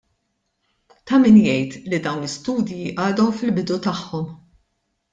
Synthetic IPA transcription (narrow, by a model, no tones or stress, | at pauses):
t̪ɐmɪnjɛjt̪lid̪ɐwnɪst̪uːd̪jiʔɐːd̪ɔwfɪlbɪd̪ut̪ɐħːɔm